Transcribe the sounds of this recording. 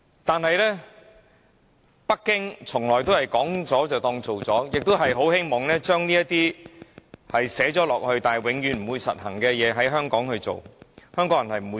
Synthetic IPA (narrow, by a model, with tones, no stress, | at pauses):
t̪aː˨nhɐ˨jlɛː˥ | pɐ˥kːɪ˥ŋt͡sʰʊ˨˩ŋlɔː˨˩jt̪̬o˥whɐ˨jkɔː˨˥ŋt͡sɔː˨˥t͡sɐ˨wt̪ɔː˧ŋt͡so˨wt͡sɔː˨˥jɪ˨k̚t̪o˥wɦɐ˨jɦo˨˥whe˥jmɔː˨˩ŋlɛː˥t͡ʃœː˥ŋniː˥jɐ˥t̪iː˥ | hɐ˨jsɛː˨˥t͡sɔː˨˥lɔː˨k̚hɵ˧ɥt̪aː˨nɦɐ˨˩jwɪ˨˧˥ŋjyː˨˥nm̩˨˩wuː˨˧jsɐ̰˨t̚hɐ˨˩ŋkɛː˧jɛː˨˧ɦɐ˨˥jɦœː˥ŋkɔː˨˥ŋhɵ˧ɥt͡so̰˨whœː˥ŋkɔː˨˥ŋjɐ˨˩nhɐ˨jm̩˨˩u˨˧